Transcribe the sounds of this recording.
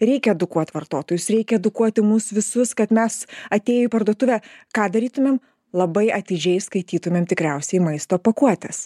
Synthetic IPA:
ɾʲɛɪkʲɛɛd̪ʊkuɔt̪ʲʋɐrt̪oːt̪oːjʊsɾʲɛɪkʲɛɛd̪ʊkuɔt̪ʲɪmʊsʋʲɪsʊskɐt̪mʲɛsɐt̪ʲeːjoipɐɾd̪uɔt̪ʊʋʲɛːkɑːd̪ɐɾʲiːt̪ʊmʲeːm | lˠɐbɐɪɐt̪ʲɪd͡ʒʲɛɪskɐɪt̪ʲiːt̪ʊmʲeːmt̪ʲɪkɾʲɛʊsʲɛimɐɪst̪oːpɐkuɔt̪ʲɛs

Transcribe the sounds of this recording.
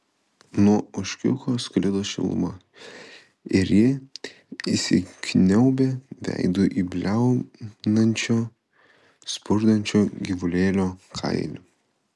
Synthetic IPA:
nuɔʊʃʲkʲʊ̰xoːsklʲɪd̪oʃʲɪ̰lˠʊ̰mɐ | ɪɾjɪ | isʲɪ̰kʲnʲɛʊbʲeːʋʲæ̰ɪd̪oʔiːbʲlʲæʊnɐnʲt͡ʃʲoː | spʊɾd̪ɐnʲt͡ʃʲoːɡʲɪʋʊlʲeːlʲoːkʰɐ̰ɪlʲʊ

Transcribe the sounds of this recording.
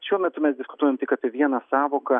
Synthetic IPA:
ʃʲuɔmʲɛt̪ʊmʲɛsd̪ʲɪskʊ̥t̪uɔjɛmt̪ɪkaːpʲiɛʋʲiɛnɐsɑːʋoːkɐ

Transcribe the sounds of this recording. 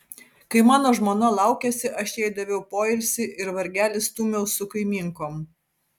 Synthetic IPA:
kɐɪmɑːnoːʒmoːnɐlˠɑˑʊkʲɛsʲɪʔɐʃʲɛɪd̪ɐʋʲɛʊpoːɪlʲsʲɪʔɪɾʋɐɾʲɡʲæːlʲɪst̪uːmʲɛʊsʊkɐɪmʲiːŋkoːm

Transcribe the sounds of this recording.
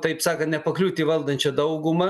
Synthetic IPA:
t̪ɐɪpsɑːkɐnt̪nʲɛpɐklʲuːt̪ʲiːʋɐlˠd̪ɐnʲt͡ʃʲɐd̪ɐʊɡʊmɐ

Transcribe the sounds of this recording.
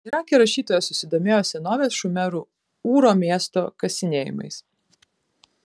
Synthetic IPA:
iɾɑːkʲeɾɐʃʲiːt̪oːjɛsʊsʲɪd̪oːmʲeːjoːsʲɛnoːʋʲeːsʃʊmʲɛɾu | uːɾoːmʲiɛst̪oːkɐsʲɪnʲeːjɪ̰mɐ̰ɪs

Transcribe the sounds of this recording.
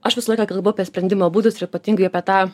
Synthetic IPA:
ɐʃʋʲɪsɐlˠɐɪkɑːkɐlˠboʊɐpʲiɛsʲpʲɾʲɛnd̪ʲɪmoːbuːd̪ʊsɪɾɪpɐt̪ʲiːŋɡʊɪɐpʲiɛt̪ɑː

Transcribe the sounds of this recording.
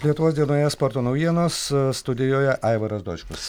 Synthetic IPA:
lʲiɛt̪ʊʋoːsd̪ʲiɛnoːjɛspoːɾt̪oːnɐʊjʲiɛnoːsst̪ʊd̪ʲɪjoːjɛʔɐɪʋɐɾɐsd̪o̰ːt͡ʃʲkʊs

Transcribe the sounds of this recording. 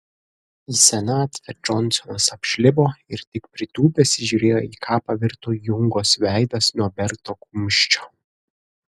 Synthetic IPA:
isʲɛnɑːt̪fʲɛd͡ʒɔnˑsɔnɐsɐpʲʃʲlʲɪboːɪɾt̪ʲɪkpʲɾʲɪt̪uːbʲɛsʲɪʒʲuɾʲeːjoːiːkʰɑːpɐʋʲɪɾt̪uːjʊŋɡoːsʋʲæˑɪd̪ɐsnuɔbʲɛɾt̪oːkumʲʃʲt͡ʃʲoː

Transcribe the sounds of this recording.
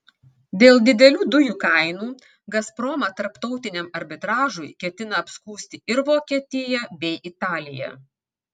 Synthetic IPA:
d̪ʲeːlˠd̪ʲɪd̪ʲɛlʲuːd̪ʊjuːkɐɪnuː | ɡɐspɾoːmɐt̪ɐɾpt̪ɔʊt̪ʲɪnʲɛmɐɾʲbʲɪt̪ɾɑːʒʊjkʲɛt̪ʲɪnɐɐpskuːsʲt̪ʲɪɪɾʋoːkʲiɛt̪ʲɪjɛbʲɛɪʔɪt̪ɑːlʲɪjɛ̰

